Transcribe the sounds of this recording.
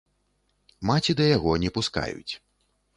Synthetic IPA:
mat͡sʲid̪ɐjaɣɔnʲɛpuska̰jṵt͡sʲ

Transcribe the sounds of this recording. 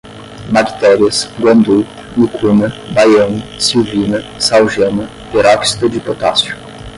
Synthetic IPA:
maki̥t̪ɛɾiɐsɡwɐ̃nd̪u | ikʰunɐbajɐ̃nsiwvinɐsawʒẽnɐ | peɾɔksi̥t̪ɐd͡ʒɪpot̪asjʊ̥

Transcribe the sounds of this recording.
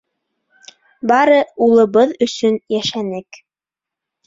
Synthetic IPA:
bɑɾɤulˠɤ̆βɤðɵ̆sɵnjæʃænɘk

